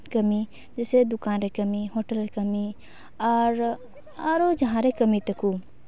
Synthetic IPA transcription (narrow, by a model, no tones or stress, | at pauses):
kɐmi | d͡ʒesed̪ʊkãːnɾekɐmiɦoːʈəlɾekɐmi | aɾ | aɾoːd͡ʒɐɦãɾekɐmit̪ɐkuː